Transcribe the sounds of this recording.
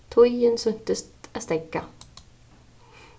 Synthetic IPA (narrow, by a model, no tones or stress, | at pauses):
t̪ʰɔjənsɵnt̪əst̪æst̪ɛkːa